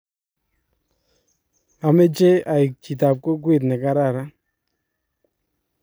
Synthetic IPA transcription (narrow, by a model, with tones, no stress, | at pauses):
a˨me˦t͡ʃe˦a˨i˨k̚t͡ʃi˨ta˨p̚ko˦k̬wi˦˨t̪̬nɛ˨ka˦ɾa˦˨ɾa˦